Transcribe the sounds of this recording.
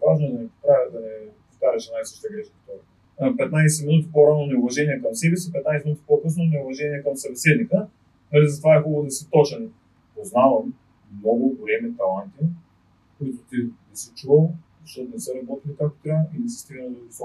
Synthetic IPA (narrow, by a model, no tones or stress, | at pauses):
vaʒnod̪ɐnɛpɾavʲəd̪ɐnɛpoft̪aɾɛʃɛnajsɤʃt̪əɡɾɛʃkt̪ɔɾ | pɛt̪najsɛminut̪i̥poɾanonɛʊvɐʒɛniɛkɐmsɛbisipɛt̪najsɛminut̪ʲi̥pokɤs̬nonɛʊvɐʒɛniɛkɐmsɐbɛsɛd̪nikə | nalizɐt̪ovaɛxɔɡonɛsət̪ɔt͡ʃɛn | poznavɐm | nɔɡʊpoɛmɛt̪ɐlˠant̪i | koit̪ʊt̪inɛsɛt͡ʃuvəlˠzɐʃt̪ɔt̪nɛsəɾɐbɔt̪ilikak̚t̪o̥t̪ɾʲavəʔinɛsɛ̥st̪iɡnəllid̪ʊsɔ